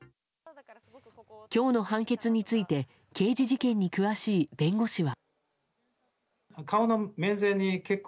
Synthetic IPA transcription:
kʲo̞ːno̞hãŋke̞t͡sɨɲ̟it͡sɨit̪e̞ | ke̞ːd͡ʑiʑikẽ̞ɲ̟ːikɯ̟βaɕiːbẽ̞ŋɡo̞ɕiβa | kaonomẽ̞ñzẽ̞ɲ̟ːikekː

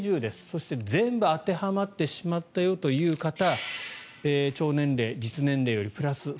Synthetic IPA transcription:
ʑɨːd̪e̞sɨ̥so̞ɕi̥t̪e̞zẽ̞mbɯ̟at̪e̞hamat̪ːe̞ɕimat̪ːajo̞t̪o̞jɯ̟ːkat̪a | eːt͡ɕo̞ːnẽ̞nɾe̞ːd͡ʑit͡sɨnẽ̞nɾe̞ːjo̞ɾʲipɯ̟ɾasɨ

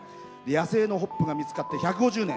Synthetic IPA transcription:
d̪ejase̞ːno̞ɦo̞pːɯ̟ɡamʲit͡sɨ̥kat̪ːe̞çakɯ̟ɡo̞ʑɨːnẽ

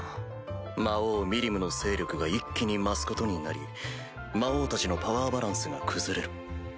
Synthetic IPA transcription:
maoːmʲiɾʲimɯ̟no̞se̞ːɾʲo̞kɯ̟ɡaikʲːiɲ̟imasɨ̥ko̞t̪o̞ɲ̟inaɾʲi | mao̞ːt̪at͡ɕino̞paβaːbaɾãɰ̃sɨɡa̰kʰɯ̟zɨɾe̞ɾɯ̟

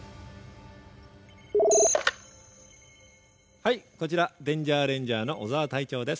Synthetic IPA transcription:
haiko̞t͡ɕiɾad̪ẽ̞ɲ̟d͡ʑaːɾẽ̞ɲ̟d͡ʑaːno̞ʔozaβːt̪ait͡ɕo̞ːd̪e̞sɨ̥

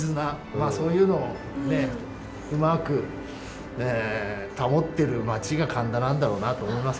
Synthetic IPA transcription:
zɨna | maːso̞ːjɯ̟ːno̞ː | ne̞ | ɯmakɯ̟ | et̪amo̞t̪ːe̞ɾɯ̟mat͡ɕiɡakʰãnd̪anãnd̪aɾo̞ːnat̪o̞ːmo̞imas

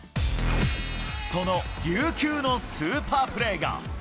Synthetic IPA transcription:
so̞no̞ɡʲɨːkʲɨːno̞sɨːpaːpɯ̟ɾe̞ːɡa̰

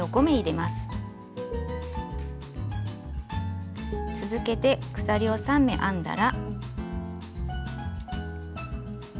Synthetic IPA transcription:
o̞ɡo̞me̞iɾe̞masɨ̥ | t͡sɨzɨke̞t̪e̞kɯ̟̥saɾʲio̞sãmːe̞̰ʔãnd̪a̰ɾa

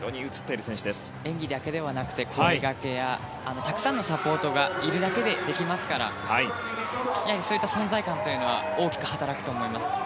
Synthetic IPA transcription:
ɾo̰ːɲ̟iɯ̟t͡sɨ̥t̪ːeɾɯ̟sẽ̞ɕid̪e̞sɨ̥ẽ̞ŋɡʲid̪ake̞d̪e̞βanakɯ̟̥t̪e̞kʰoiɡake̞jaː | no̞t̪akɯ̟̥sãnːo̞sapo̞ːt̪o̞ɡaiɾɯ̟d̪ake̞d̪e̞d̪e̞kʲimasɨ̥kaɾa̰hai | jaiso̞ːjit̪ːasõ̞nzaikãnt̪o̞jɯ̟noβa̰ | o̞ːkʲi̥kɯ̟hat̪aɾakɯ̟t̪o̞ːmo̞imasɨ̥

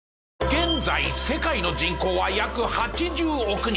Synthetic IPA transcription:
ɡ̥ẽ̞nd͡zaise̞kaino̞d͡ʑĩŋko̞ːβajakɯ̟hat͡ɕid͡ʑɨːokɯ̟ɲ

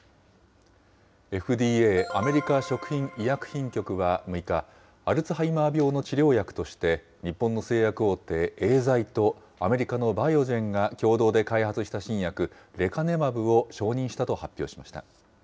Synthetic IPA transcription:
e̞ɸɯ̟d̪iːeːame̞ɾʲikaɕo̞kɯ̟̥çĩŋijakɯ̟̥çĩŋkʲo̞kɯ̟βamɯ̟ikaː | ɾɯ̟t͡sɨɦaimaːbʲjo̞ːno̞t͡ɕiɾʲo̞ːjakɯ̟̥t̪o̞ɕi̥t̪e̞ | ɲ̟ipːõ̞nːo̞se̞ːjakɯ̟o̞ːt̪ːe̞ːeːzait̪o̞ | ame̞ɾʲikano̞baio̞ʑẽ̞ŋɡakʲo̞ːd̪o̞ːd̪e̞kaihat͡sɨɕi̥t̪aɕĩɰ̃jakɯ̟ | ɾe̞kane̞mabɯ̟o̞ɕo̞ːɲ̟ĩɰ̃ɕi̥t̪at̪o̞hapʲːjo̞ːɕi̥maɕi̥t̪a̰

